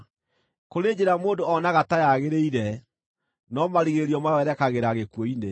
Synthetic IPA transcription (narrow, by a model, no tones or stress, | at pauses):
koɾeːd͡ʑeɾamoːndoɔnaɣatajaɣeɾeiɾɛ | nɔmaɾiɣeɾiɔmawɛɾɛkaɣeɾaɣekwɔine